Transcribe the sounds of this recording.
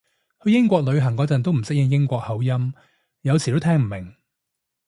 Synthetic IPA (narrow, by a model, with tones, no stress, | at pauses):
hɵ˧ɥjɪ˥ŋkʷɔː˧k̚lɵ˨˧ɥɦɐ˨˩ŋkɔː˨˥t͡sɐ˨nt̪o˥wm̩˨˩sɪ˥k̚jɪ˧ŋjɪ˥ŋkʷɔː˧k̚hɐ˨˥wjɐ˥m | jɐ˨˧wt͡sʰiː˨t̪o˥wt̪ʰɛː˥ŋm̩˨˩mɪ˨˩ŋ